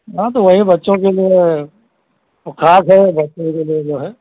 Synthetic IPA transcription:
ɦãt̪oʋɐɦibɐtːʃõkelie | ʊkʰaːsɦɛbɐtːʃõkelied͡ʒoːɦɛː

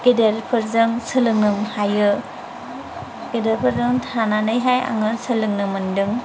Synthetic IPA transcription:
ɡ̥edeɾpʰɯɾzɯŋsɯlɯŋnɯmhajɯ | ɡedeɾpʰɯɾzɯŋtʰananɯjɦaja̰ŋɯsɯlɯŋnɯmɯndɯŋ

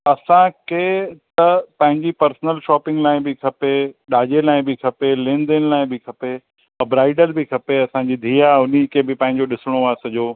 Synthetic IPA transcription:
ɐsãkʰet̪ɐpɐ̃ɦɪ̃ɲd͡ʑipɐɾsnəlʃɔːpɪ̃ŋɡlaːɪ̃bɪkʰɐpeɗaːʄelaːɪ̃bɪkʰɐpelẽːnd̪ɪnɪlaːɪ̃bɪkʰɐpe | ɐbɾaːɪɖəlbɪkʰɐpeɐsãd͡ʑiːd̪ʱiːjaʊnikʰebɪpɐ̃ɦɪ̃ɲ̆d͡ʑoɗɪsɪɽ̃oaːsɐʄoː

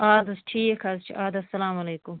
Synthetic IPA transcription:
aːd̪ɐsʈʰiːkʰɐzt͡ʃʰḭʔaːd̪ɐsɐlaːmɐleːkʊm

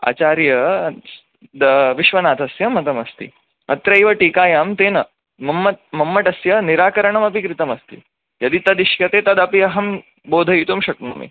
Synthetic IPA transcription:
a̰ːt͡ʃaːɾjɐ | d̪ɐʋiʃʋɐnaːt̪ʰɐsjɐmɐt̪ɐmɐst̪ḭ | ɐ̰t̪ɾɐiʋɐʈiːkaːjaːmt̪eːnɐ | mɐmːɐt̪̚mɐmːɐʈɐsjɐniɾaːkɐɾɐɳɐmɐpikɾit̪ɐmɐst̪ḭ | jɐd̪it̪ɐd̪iʃjɐt̪eːt̪ɐd̪ɐpiɐɦɐm | boːd̪ʱɐit̪umʃɐknɐ̰mḭ

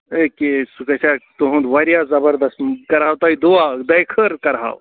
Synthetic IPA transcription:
ekesukɐsat̪oɦũnd̪ʋɐɾjazɐbəɾd̪ɐsmkɐɾɦaːwt̪ɐid̪uad̪ɐjkʰəɾkɐɾɦa̰ːw

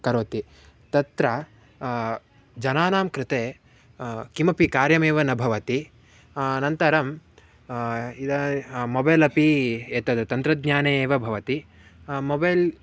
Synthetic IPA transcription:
kɐɾoʋɐt̪i | t̪ɐt̪ɾɐ | d͡ʒɐnaːnaːmkɾɪt̪eː | kimɐpikaːɾjɐmeːʋɐnɐbʱɐʋɐt̪i | nɐnt̪ɐɾɐm | id̪ɐmːobɐjːlɐpieːt̪ɐd̪ɐt̪ɐnt̪ɾɐd̪̚ɲaːneːʋɐbʱɐʋɐt̪i | mobɐjl

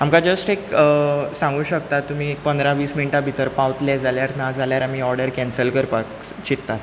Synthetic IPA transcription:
amkad͡zəsʈekəsãŋɡuːɕəkt̪at̪ːum̤iːek̚pənd̪ɾaʋiːsminʈabʱit̪əɾpaʋt̪lɛd͡zaljaɾnad͡zʱaljaɾam̤iːɔɾɽəɾkɛ̃nsəlkəɾpak | t͡ɕit̪ːat̪

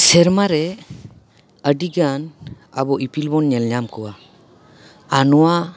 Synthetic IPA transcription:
sɛɾmaɾɛ | əɖiɡan | a̰bɔʔipilbɔnɲɛlɲamkuwa | nɔwa

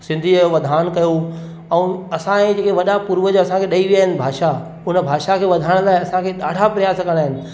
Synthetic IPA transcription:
sɪ̃nd̪ʱiʋɐd̪ʱaːnkɐjo | ɛ̃ːɐsãẽd͡ʑeːkeʋɐɗapuɾʋəd͡ʑoɐsãkʰeɗɐiʋijaːɦɪnɪ̆bʱaːʃa | ʊnəbʱaːʃakʰeːʋɐd̪ʱaːɪɽ̃laːɪɐsãkʰeɗaːɽʱapɾɐjaːskəɽ̃aːɦɪnɪ̆

